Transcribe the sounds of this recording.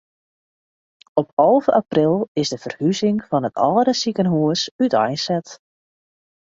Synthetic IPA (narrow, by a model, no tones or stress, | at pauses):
ɔpɔlˠvəʔaprɪlˠɪzdəv̥ərhyzɪŋfɔnətʰɔːdəsikənɦuəsytɔjsɛt